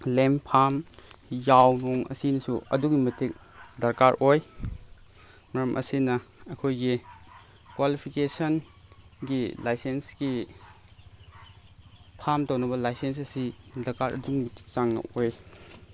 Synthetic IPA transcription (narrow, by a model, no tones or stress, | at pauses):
lempʰamjawnɔŋɐ̰sinɐsuɐ̰duɡimɐtʰik̚ | dɐɾkaɾʔoj | mɐɾɐmʔɐ̰sinɐɐkʰojɡi | kwalipʰikesɐn | ɡilajsensɡi | pʰamtɐwnɐbɐlajsens̬ɐsidɐɾkaɾʔɐ̰duŋitik̚t͡ʃaŋnɐ̰oj